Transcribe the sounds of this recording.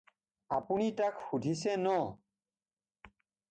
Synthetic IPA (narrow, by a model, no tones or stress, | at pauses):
apunitakhudʱisɛnɔ